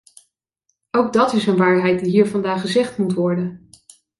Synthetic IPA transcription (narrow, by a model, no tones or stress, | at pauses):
owɡ̚dɑtɪsənʋaːɹɦɛjt̚diɦiːɹvɑndaːχəzɛχtmutʋɔɹdən